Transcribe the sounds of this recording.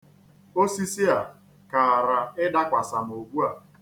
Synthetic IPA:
o˦si˦si˦a˨ | ka˨a˨ɾa˨ɪ˦da˦kʷa˨sa˨no˨ɡʷu˦a˨

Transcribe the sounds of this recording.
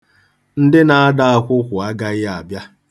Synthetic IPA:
n̩˦dɪ˦na˨a˦da˦a˨kʷʊ˦kʷʊ˨a˦ɡa˨ɣɪ˦a˨bja˦

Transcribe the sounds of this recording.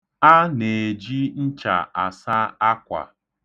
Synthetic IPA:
a˦ne˨d͡ʒi˦n̩˦t͡ʃa̰˨a˨sa˦a˦kʷa̰˨

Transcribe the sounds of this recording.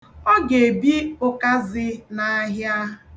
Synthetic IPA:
ɔ˦ɡe˨bi˦ʊ˦ka˦zɪ˦na˨˦ɦja˦

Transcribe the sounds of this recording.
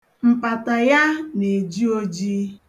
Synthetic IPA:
m̩˨k͡pa˨ta˨ja˦ne˨d͡ʒi˦o˦d͡ʒi˦

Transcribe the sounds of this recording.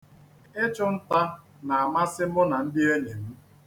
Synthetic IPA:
e˦t͡ʃʊ˦n̩˦ta˦ | na˨a˨ma˦sɪ˦m̩˦ʊ˦na˨n̩˦dɪ˦e˦ɲe˨m̩˦

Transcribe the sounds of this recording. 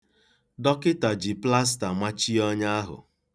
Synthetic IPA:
dɔ˦kɪ˦ta˨d͡ʒi˨pla˦s̬ta˨ma˦t͡ʃi˦ɔ˦ɲa˦a˦ɦʊ̰˨

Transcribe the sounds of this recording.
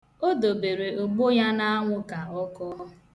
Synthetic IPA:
o˦do˨be˨ɾe˨ʊ˨ɡ͡bo˦ja˦na˦a˦ŋʷʊ˦ka˨ɔ˦kɔ˦ɦɔ˦

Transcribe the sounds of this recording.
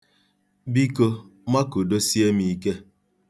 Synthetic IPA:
bi˦ko˦ma˦ko˨do˦si˦e˦mi˨˦ke˦

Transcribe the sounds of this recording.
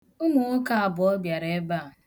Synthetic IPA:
ʊ˦mʊ˨ʊ˦ka˦a˨bʊ˨ɔ˦bja˨ɾe˦e˦ba˦˨

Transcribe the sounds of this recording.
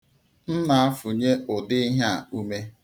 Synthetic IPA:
n̩˦na˨a˦fʊ˨ɲe˦ʔʊ˨dɪ˦i˦ɦa˦˨u˦me˦

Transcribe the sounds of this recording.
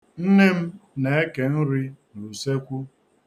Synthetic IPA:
n̩˦ne˦m̩˦ne˨e˦ke˨n̩˦ɾi˦n̩˨ɾu˨se˦kʷu˦

